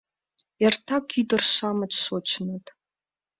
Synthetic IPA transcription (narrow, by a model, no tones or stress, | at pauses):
jartʰakʰidɨrʃamat͡ʃʰʼsot͡ʃʰnɨtʼ